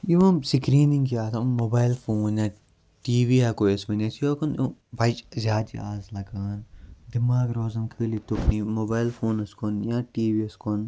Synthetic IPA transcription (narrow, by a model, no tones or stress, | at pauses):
jimɐ̃msikɾiːnĩŋɡkiaːt̪ʰɐmːoːbaːɪlfʰoːnjãː | ʈiːʋiːɦɛkoesmenesjoːkonbɐt͡ʃzʲjaːd̪ḭaːzlɐɡaːnd̪ɪmaːɡɾoːzɐnkʰɨːlit̪ʊpniːmoːbaːjlfʰoːnɐskonjãːʈiːʋiːɐskon